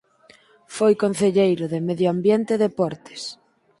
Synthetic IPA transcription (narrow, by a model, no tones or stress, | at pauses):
fojkon̟θeʎejɾʊðemeðjoambjent̪eðepɔɾt̪e̥s